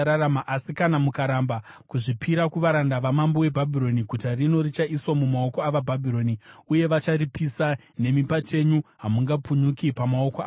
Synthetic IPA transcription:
ɾaramaʔasikanamukaɾamba | kuʐipʰiɾakuʋaɾandaʋamambowe̞bʱabʱiɾo̞niɡʱutarino̞rit͡ʃaʔiswamumao̞koaʋabʱabʱiɾo̞niuje̞ʋat͡ʃaripisa | ne̞mipat͡ʃe̞ɲuɦamuŋɡapuɲukipamao̞koaː

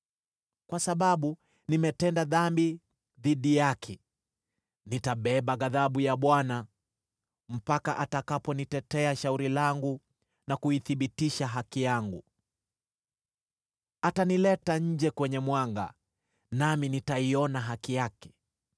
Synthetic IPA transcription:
kwasaɓaɓu | nimɛtɛndaðambi | ðiɗijakʰɛ | nitaɓɛɓaɡaðaɓujaɓwana | m̩pakaʔatakapɔnitɛtɛaʃauɾilaŋɡu | nakuiθiɓitiʃaɦakijaŋɡu | atanilɛtaɲ̩d͡ʒɛkwɛɲɛmwaŋɡa̰ | naminitaiɔnaɦakijakɛ̥

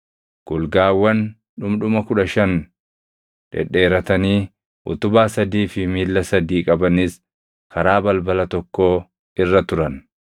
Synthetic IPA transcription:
ɡ̥ʊlɡaːwːɐn | ᶑʊmᶑʊmɐkʊᶑɐʃɐn | ᶑɛ̰ᶑe̞ːɾɐt̪ɐniː | ʔʊ̰t̪ʊbaːsɐd̪iːfɪmiːlːɐsɐd̪iːkʼɐbɐnɪs | kʰɐɾaːbɐlbɐlɐt̪ɔkːo̞ː | ɪrːɐt̪ʊɾɐn

